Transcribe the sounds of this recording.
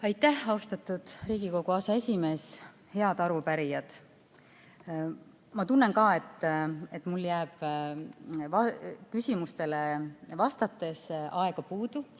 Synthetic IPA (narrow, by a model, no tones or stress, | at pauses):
ɑjt̪ːæhɑust̪ɑt̪ːud̪̥ɾiːɡ̥iko̞ɡ̥uɑsɑe̞sʲime̞ːs | he̞ɑd̪ɑɾupæɾijɑd̪̥ | mɑt̪unːeŋkɑːe̞t̪ːˑet̪ːˑmulːjæːb̥ | vɑkysʲimust̪e̞levɑst̪ɑt̪ːˑe̞sʔɑe̞ɡ̥ɑpuːd̪u